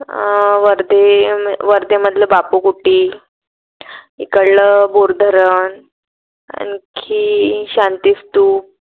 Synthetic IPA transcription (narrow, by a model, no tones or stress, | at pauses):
ʋəɾd̪eʋəɾd̪eməd̪ʱləbapukuʈiː | ikəɽləboɾd̪ʱəɾən | a̰nkʰiːɕant̪ist̪uː